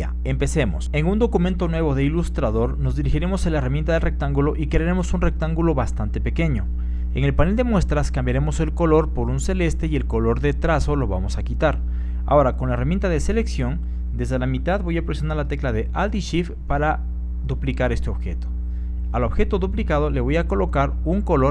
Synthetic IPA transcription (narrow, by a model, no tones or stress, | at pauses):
a | empe̞se̞mo̞̰se̞ŋund̪o̞kume̞nt̪o̞nwe̞β̞o̞ðe̞ilust̪ɾaðo̞ɾno̞zðiɾixiɾe̞mo̞selaeramjent̪aðelrek̚t̪aŋɡulo̞ʔikeɾaɾe̞mo̞sunre̞k̚t̪aŋɡulo̞βast̪ant̪e̞pe̞ke̞ɲo̞ | eŋe̞lpane̞ld̪e̞mwe̞st̪ɾaskambjaɾe̞mo̞se̞lko̞lo̞ɾpo̞ɾunse̞le̞st̪e̞je̞lko̞lo̞ɾðet̪ɾaso̞lo̞βamo̞sakit̪aɾ | a̰o̞ɾako̞nlaeramje̞nt̪aðe̞se̞le̞ksjo̞n | d̪e̞zðe̞lamit̪aðbo̞japɾesjonaɾlat̪e̞klaðe̞ʔald̪iʃif | paɾa | ðuplikaɾe̞st̪e̞o̞βxe̞t̪o̥ | alo̞βxe̞t̪o̞ðuplikað̞o̞le̞β̞o̞jako̞lo̞kaɾuŋko̞lo